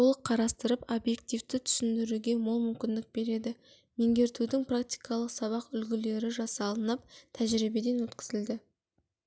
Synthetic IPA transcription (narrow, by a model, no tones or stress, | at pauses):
olˠəqqʰːɑɾɑst̪əɾəpobje̞k̚t̪ijft̪ɪt̪ʰʏ̥sɪnd̪ɪɾuɡʲe̞mʊlˠmʏmkʲɪnd̪ɪk̚b̥e̞ɾe̞d̪ɪ | me̞ŋɡʲe̞ɾt̪ud̪ɪŋprak̚t̪ijkʰɑlˠəqsɑβɑqʏlɡʲɪle̞ɾɪʒɑsɑlˠənɑp̚t̪ʰæʒɾibe̞d̪e̞nwɵt̪kʲɪ̥zɪld̪ɪ